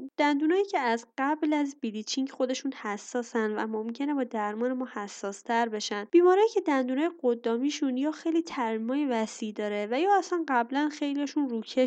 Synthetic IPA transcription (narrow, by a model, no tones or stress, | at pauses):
d̪̥ænd̪uːnɒːjiːcʰeæzɢæblæzbilit͡ʃʰiŋɟxo̞d̪e̞ʃunhæsːɒːsænd̪væ̰momcʰe̞ne̞bɒːd̪æɾmɒːne̞mɒːhæsːɒːst̪ʰæɾbe̞ʃænd̪̥b̥iːmɒːɾɒːjiːcʰe̞d̪ænd̪uːnɒːjeɢod̪ːɒːmiːʃunjɒːxejliːt̪ʰæɾmimɒːjevæsiːd̪ɒːɾevæjɒːæsænɢæblænxe̞jlijɒʃunruːcʰe